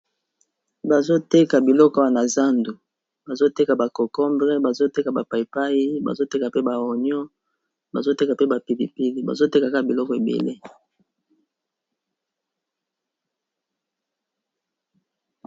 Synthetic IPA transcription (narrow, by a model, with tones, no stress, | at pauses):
ba˨zo˦te˦ka˨bi˨lɔ˦ka˨na˨za˦ndu˨ | ba˨zo˦te˦ka˨ba˨kɔ˨kɔ˦mbʁɛ˦ba˨zo˦te˦ka˨ba˨pa˨i˨pa˦ji˦ba̰˨zo˦te˦ka˨pe˦ba˨o˨ɲjɔ˦ | ba̰˨zo˦te˦ka˨pe˦ba˨pi˨lḭ˨pi˦li˨ba̰˨zo˦te˦ka˨ka˦˨bi˨lɔ˦kɔ˨e˨bḛ˨lḛ˦